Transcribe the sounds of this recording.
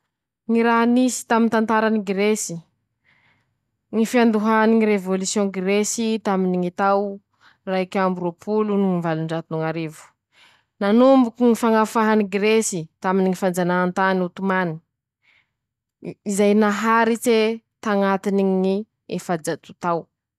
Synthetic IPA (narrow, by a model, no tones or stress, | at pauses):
ŋiɾaɦnisi̥t̪amint̪ant̪aɾaniɡɾesi | ŋifiand̪uɦaniŋiɾevolusjõɡɾesit̪aminiŋit̪aw | raikʲambuɾopʰulunuivaluɳɖ͡ʐat̪unuŋaɾevu̥ | nanumbukiŋifaŋafaɦaniɡɾesit̪aminiŋifand͡zanaant̪anut̪umani̥ | izajnaɦaɾit͡se | t̪aŋat̪inii | efad͡ʒat̪ut̪aw